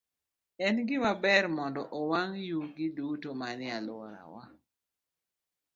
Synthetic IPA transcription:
ɛnɡɪmabɛɾmɔndɔʔɔwaŋjuɡɪdutomanɪalʊɔɾa̰wa

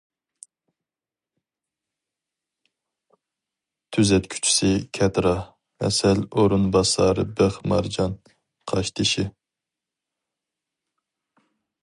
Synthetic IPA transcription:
t̪ʰyzɛt̪kʲʰy̥t͡ʃʰy̥sɪkʲʰɛt̪ɾɑ | ɛ̰sɛloɾɨnbɑsɑɾɨbəχmɑɾd͡ʒɑn | qʰɑʃt̪ʰɨʃɪ

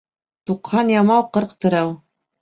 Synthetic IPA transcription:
t̪uqhɑnjɑmɑwqɤ̆ɾqt̪ɤ̆ɾɤw

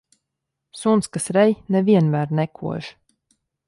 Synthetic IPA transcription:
sunskasɾɛjnɛviɛnmæːɾnɛkʰṵɔʒ

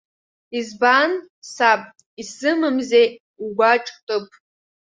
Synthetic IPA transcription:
izban | sapʼ | isɨmɨmze | uɡʷaʈ͡ʂʼtʼɨpʰʼ

